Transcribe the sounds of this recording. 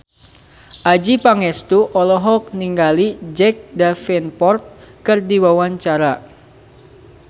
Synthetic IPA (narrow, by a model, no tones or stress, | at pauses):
ʔad͡ʒipaŋɛst̪uʔɔlɔɦɔk̚niŋɡalid͡ʒɛk̚dafɛnpɔrt̪̚kɨrdiwawaɲt͡ʃaɾa